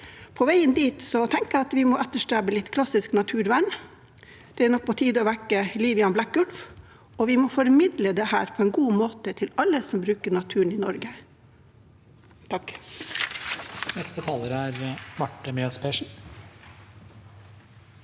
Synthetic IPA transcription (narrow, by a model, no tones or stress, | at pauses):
pʰɔʋæɪənd̪iːt̪sɔt̪ʰɛŋkəɑt̪ʋɪmɔʔɛt̪ːəʂʈɾæbəlɪt̪ːkʰlɑsɪsknɑt̪ʰʉːɾʋæɳ | d̪̥ɛænɔk̚pʰɔt̪ʰiːd̪ɔʋækəliːʋjɑnblækɡʉlf | ɔʋɪmɔfɔɾmɪd̪ləd̪ɛhæ̰ːɾpʰɔɛnɡuːmoːt̪ət̪ʰɪlɑlːəsɔmbɾʉːkəɳɑt̪ʰʉːəɳ̩ɪnɔɾɡə | t̪ʰɑk | nɛst̪ət̪ʰɑːləɾəæɾmɑʈːəmɛɑspʰeːʂn̩